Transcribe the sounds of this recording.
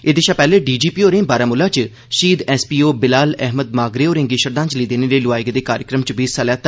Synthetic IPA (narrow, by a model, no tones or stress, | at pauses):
ɪd̪ɪʃaːpɛːleːɖiːd͡ʒiːpiːoːɾẽːbaːɾaːmʊlãːt͡ʃ | ʃiːd̪ɛːspiːoːbɪlaːlɛɦməd̪̚maːɡɾeːoːɾɪ̃ŋɡiːʃəɾd̪ãːt͡ʃliːd̪eːneːleːlʊaːɪɡd̪eːkaːɾjəkɾəmt͡ʃəbiːsːaːlɛːt̪